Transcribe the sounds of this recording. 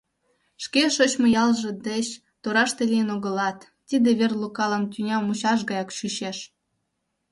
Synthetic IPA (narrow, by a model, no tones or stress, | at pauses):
ʃkeʃot͡ɕmojɑlʒĕd̪et͡ɕ | t̪oɾɑʃt̪elʲijənoɣə̆lɑt̪ːid̪eβerlukɑlˠɑmt̪ʲynʲɑmuɕɑʃ̬ɣɑjɑkɕyɕeʃ